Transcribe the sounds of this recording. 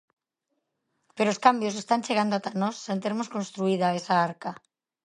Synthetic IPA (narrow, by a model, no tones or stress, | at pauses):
peɾooskambjo̞s̬e̞st̪ant͡ʃeɣ̞and̪oat̪anosːent̪eɾmoskonst̪ɾuiðaesaaɾka